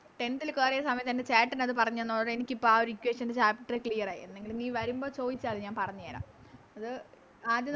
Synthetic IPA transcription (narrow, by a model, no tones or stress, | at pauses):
ʈe̞ndilkeːrejɐsɐmɐjɐmɐnde̞t͡ɕaːʈːinɐðɨpɐrɐɲːenːoːɭːɐɽenikʲːipːoaːo̞ɾuikʲːweːʂɐndet͡ɕaːpiʈːɐrekɭijɐraːjḭenːe̞ŋɡilniːʋɐɾumbo̞ːt͡ɕo̞ːd̪it͡ɕːaːlɲaːnpɐrɐɲːujaːla̰ːm | ɐðɨ | aːd̪jɐ